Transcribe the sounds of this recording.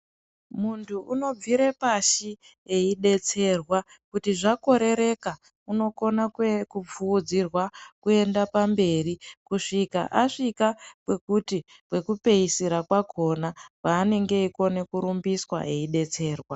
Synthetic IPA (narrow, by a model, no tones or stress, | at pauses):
muntʰuʔuno̞b͡vviɾe̞paʃi | eiɗe̞t͡se̞rwa | kutiʐako̞ɾe̞ɾe̞ka | uno̞ko̞nakkup͡fuːd͡zirwakue̞ndapambe̞rikuʂika̰ʔaʂikapwe̞kuti | pwe̞kupe̞isiɾakwako̞napaːne̞ŋɡe̞iko̞ne̞kuɾumbiswa̰ʔe̞iɗe̞t͡se̞ːrwa